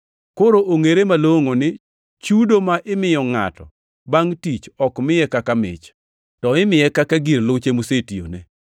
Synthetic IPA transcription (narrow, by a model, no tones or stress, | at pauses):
koɾoʔoŋeɾemaloŋonɪ | t͡ʃudomaʔɪmɪjɔŋa̰tɔ̰ | baŋtit͡ʃɔkmɪjɛkakamɪ̰t͡ʃ | tɔɪmɪjɛkakaɡirlʊt͡ʃemusetio̰ne